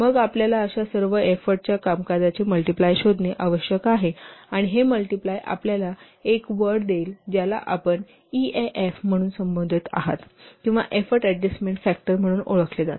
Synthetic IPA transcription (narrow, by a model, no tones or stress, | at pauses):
məɡapljalaəɕasəɾʋəefəɾʈ̚t͡ɕjakamkad͡z̪at͡ɕeməlʈiplajɕod̪ʱneʔaʋəɕjəkaɦeaɽ̃iɦeməlʈiplajʔa̰pljala | ekʋəɾɽd̪eːld͡ʑjala̰ʔapəɳ | ieʔefm̤əɽ̃uːnsəmbənd̪ʱit̪a̰ɦa̰t̪kĩʋa̰ʔefəɾʈɛɖesmeɳʈfæk̚ʈəɾm̤əɽ̃uːnoɭəkʰled͡za̰t̪